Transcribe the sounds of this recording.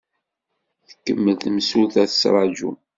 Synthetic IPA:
θə̥kːəmːəlθəmsuθæθəsɾˤɑd͡ʒṵ

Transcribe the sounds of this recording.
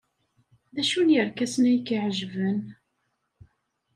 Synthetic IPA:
ðæʃunjəɾkæsnæjkiʕʒvən

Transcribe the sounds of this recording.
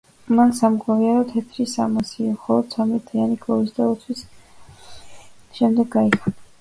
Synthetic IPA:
mansamɡaviaɾɔt̪ʰɛt̪ʰɾisamasiamχɔlˠɔd̪̥sʰamɛt̪ʰianikʰɔɾisd̪aɔt̪sʰwis | ʃɛmd̪ɛɡːaikʰana

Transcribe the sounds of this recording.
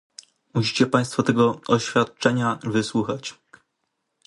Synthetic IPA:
muɕi̥t͡ɕɛpaj̃st̪fɔt̪ɛɡɔɔɕfʲjat̪̚t͡ʂɛɲavɘswuxat͡ɕ

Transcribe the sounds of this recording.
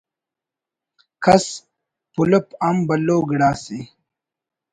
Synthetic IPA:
kʰɐs | puləpambɐlːoːɡɽaːsi

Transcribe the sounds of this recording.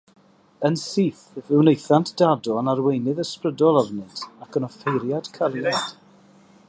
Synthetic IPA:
ənsiːθvɪwnejθantʰd̥adɔənarwejnɨðəsprədɔlˠavnɨntʰakʰənɔfejɾjad̥kʰalˠjad̥

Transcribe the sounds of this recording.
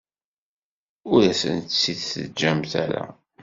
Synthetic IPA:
ʊɾæsə̰nt̪sːiθθəd͡ʒːæmθæɾæ̰

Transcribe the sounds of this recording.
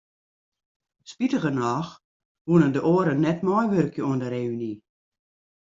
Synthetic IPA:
spitəɣənɔːx | ʋunəndəʔoːəɾənːɛtmɔjʋørkjəuəndəɾeyni

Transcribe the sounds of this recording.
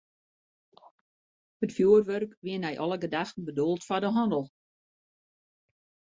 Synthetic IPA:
hətfjuːərʋørkʋiənɛjʔɔlˠəɡədaxtn̩bədolˠtfadəɦɔndəlˠ

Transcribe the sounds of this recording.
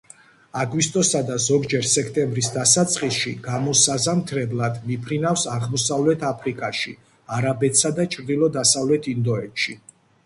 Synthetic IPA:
aɡwist̪ʼɔsad̪azɔɡd͡ʒɛɾsɛkʰt̪ʼɛmbɾisd̪asat̪sʼqʼisʃiɡ̥amɔsazamt̪ʰɾɛblˠad̪mipʰɾinafsaʁmɔsavlɛt̪ʰapʰɾikʼaʃi | aɾabɛt̪ʰsad̪at͡ʃʰʼɾd̪ilˠɔd̪asavlɛt̪ʰind̪ɔɛt̪ʃi

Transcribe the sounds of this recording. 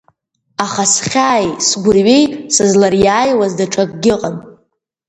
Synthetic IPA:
aχasχʲaːjsɡʷʊrɥe̞jsɨzlarjaːjwazdaʈ͡ʂʰakʼɡʲɪqʼan

